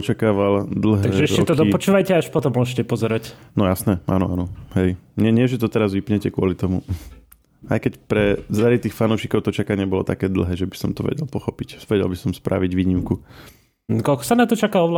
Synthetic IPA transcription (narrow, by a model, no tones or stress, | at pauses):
ɔt͡ʃakaːʋald̪l̩ɦɛaɡʒɛɛʃɛt̪ɔd̪ɔpɔt͡ʃuːʋajcɛaaʃpɔt̪ɔmːʊɔʒcɛpɔzɛɾacnɔjasnɛʔa̰nɔ̰anɔɦɛjɲɛɲɪɛʒɛt̪ɔt̪ɛɾazʋipɲɛcɛkʊɔlit̪ɔmu | ajkɛcpɾɛzaɾit̪iːxfanuʊʃikɔʊt̪ɔt͡ʃakaɲɪɛbɔlɔ̰t̪akɛːd̪l̩ˠɦɛːʒɛbi̥sɔmt̪ɔʋɛ̰ɟɛ̰lpɔxɔpicʋɛɟɛ̰lbisɔmspɾʔa̰ʋiɟʋiːɲimku | kɔlkɔ̥sanat̪ɔt͡ʃakaɔʋla